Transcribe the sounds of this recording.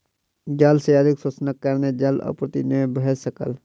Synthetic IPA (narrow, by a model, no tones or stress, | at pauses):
d͡ʒaːlsejaːd̪ɪksəsnəkːəɾned͡ʒalɔ̰pɾət̪inebəɦesəkə̰l